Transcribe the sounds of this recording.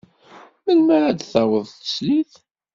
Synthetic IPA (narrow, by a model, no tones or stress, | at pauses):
məlmæɾad̪θawəðˤθə̥sliθ